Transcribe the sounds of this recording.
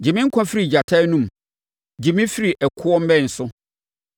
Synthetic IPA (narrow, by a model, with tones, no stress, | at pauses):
d͡ʑi˨mɪ̃˦ŋ̩˦kʰʷã˦fi˦ɾi˨d͡ʑa˨tʰa˦nũ˦˨m | d͡ʑi˨mĩ˦fi˦ɾi˨ʔɛ˨kʰʊ˦ɔ˦m̩˦bɛ̃˦˨n̩˨sʊ˦